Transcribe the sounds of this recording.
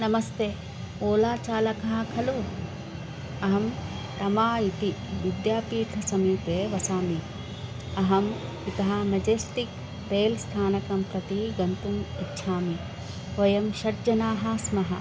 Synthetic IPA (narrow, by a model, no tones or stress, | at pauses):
nɐmɐst̪e | oːlaːt͡ʃaːlɐkɐɦɐ̆kʰɐluː | ɐɦɐm | t̪ɐmaːit̪iʋid̪jaːpiːʈʰɐsɐmiːpeːʋɐsaːmi | ɐɦɐm | it̪ɐɦɐmɐd͡ʒeːsʈik̚ | t̪eːlst̪ʰaːnɐkɐmpɾɐt̪iɡɐnt̪umitːʃʰaːmi | ʋɐjɐmʃɐʈd͡ʒɐnaːɦɐ̆smɐɦɐ